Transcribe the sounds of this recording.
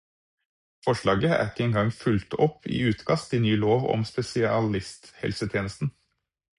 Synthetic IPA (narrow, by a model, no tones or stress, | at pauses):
fɔʃlɑːɡəʔæ̰kːəɛŋɡɑŋfʉlt̪ʰɔpʰḭːʉːt̪kʰɑst̪ɪnyːloːʋɔ̰mspɛsɪɑɑlɪst̪hɛ̰lsət̪ʰjeːnəst̪n̩